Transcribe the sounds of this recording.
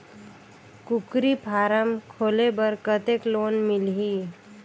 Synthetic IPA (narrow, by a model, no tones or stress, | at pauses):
kukɾipʰaːɾəmkʰoːlebəɾkət̪ekloːnmɪlɦi